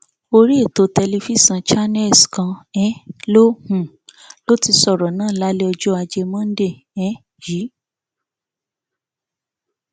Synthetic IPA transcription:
o˧ɾi˦e˦˨to˨˧˨tɛ˧li˧fi˦˨sã˧t͡ʃa˦nɛ˦˨skã˧ɛ˦lo˦hũ˨ | lo˦ti˧sɔ˦˨ɾɔ˨nãː˦˨la˨˦le˦ɔ˧d͡ʒɔ˦a˧d͡ʒe˧mã˦n̩˦de˦˨ | ɛ˨˦ | ji˨˦

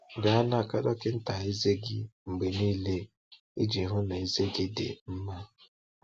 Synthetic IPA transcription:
ɡa˨a˦na˦a˨ka˦dɔ˦kɪ˦n̩˦ta˨i˦ze˦ɡɪ̰˦ŋ͡m̩˨ɡ͡be˨niː˦le˦ | ḭ˦d͡ʒi˨˦ɦʊ˦na˨i˦ze˦ɡɪ˦dɪ̰˨m̩˦ma˦

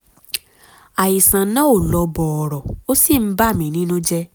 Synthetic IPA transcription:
a˨ji˨sã˨nã˨˦o˦˨lɔ˨˧bɔ˨ɔ˨ɾɔ˨o˦si˦˨m̩˦ba˦˨mĩ˨˦nĩ˦nũ˦d͡ʒɛ˦

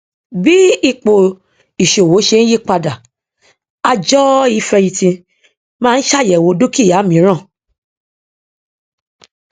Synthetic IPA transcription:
bi˦i˦˨k͡po˨ | i˨ʃo˨wo˨˦ʃe˧ñ̩˦ji˦k͡pa˧da˨ | a˧d͡ʒɔ˦i˨˦fɛ˧ji˧tĩ˧ | mãː˦˧n̩˦ʃa˦˨jɛ˨wo˨˦do˦ki˦˨ja˨˦mĩ˨˦ɾ̃ã˦˨

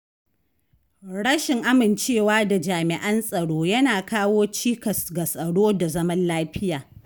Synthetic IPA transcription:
ɽɐ˦ʃɪ˨ŋʔa˦mɪ˨nt͡ʃeː˦˨waː˦da˨d͡ʒaː˨mɪ˨ʔɐ˦nsʼɐ˨ɽoː˦jɐ˦naː˨kaː˦woː˦t͡ʃiː˦kɐ˨sɡa˨sʼɐ˨ɽoː˦da˨zɐ˦mɐ˦nlaː˦ɸɪ˦jaː˨

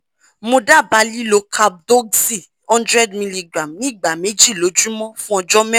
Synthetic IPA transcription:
mo˧da˦˨ba˨˦li˦lo˧kʰa˧b̚dɔ˦ɡsi˦˨ | ɔ̃˦ndɾɛ˦dmĩ˧li˧ɡɾa˨mnĩ˦˨ɡ͡ba˨me˨˦d͡ʒi˦˨lo˨˦d͡ʒũ˦mɔ̃˦fũ˦ɔ˧d͡ʒɔ˦mɛ̃˦

